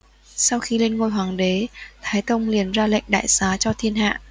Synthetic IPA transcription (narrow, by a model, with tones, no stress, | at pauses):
sa˧wxi˧le˧nŋo˧jɦwaː˨˩ŋɗe˨˦t̪ʰaː˨˦jt̪ə˧wŋ͡mli˨˩ənzaː˧lḛ˧˨jŋ̟ɗa̰ː˧˨jsaː˨˦t͡ɕɔ˧t̪ʰi˧ənɦa̰ː˧˨ʔ